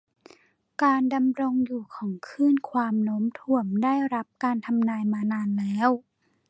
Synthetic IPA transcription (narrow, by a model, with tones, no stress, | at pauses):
kaː˧nda˧mɾo˧ŋjuː˨˩kʰɔː˩˦ŋkʰɯː˥˩˨nkʰwaː˧mnoː˦˥mt̪ʰu˧˩əmdaː˥˩jɾa˦˥p̚kaː˧nt̪ʰa˧mnaː˧jmaː˧naː˧nlɛː˦˥˨w